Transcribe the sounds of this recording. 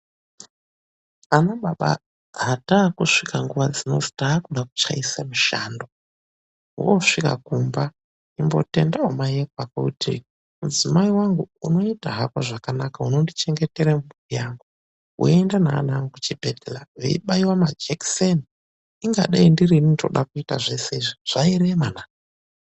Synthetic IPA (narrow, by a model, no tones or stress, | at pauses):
anaɓaɓa̰ | ɦataːkuʂikaŋɡuʋad͡zino̞ti̥taːkuɗaku̥t͡ʃa̰isamuʃa̰ːndo̞ | woʂika̰kumba | imbo̞̰te̞ndaomajekwakokutʰḭ | mud͡zimaiwaŋɡuuno̞itaɦakoʐakanakauno̞ndit͡ʃe̞ŋɡe̞teɾamuijaːŋɡu | ṵendana̰ːnaŋɡut͡ʃibʱedelaʋḛḭɓaiwamad͡ʒeksen | iŋɡa̰ɗaindiɾininto̰ɗakuita̰ʐe̞se̞iʐiʐ̥aiɾemanaː